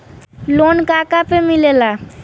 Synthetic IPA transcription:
lonkakapemilela

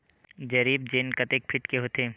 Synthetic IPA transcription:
d͡ʒɐɾiːb̚d͡ʒeːnkɐt̪ek̚pʰɪʈkeɦoːt̪eː

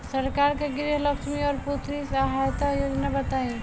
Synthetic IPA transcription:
sɐɾkaːɾkeɡɪɾiɦləkʃmiɔːɾput̪ʰɾisaɦajt̪ajoːd͡ʒnabət̪aẽ

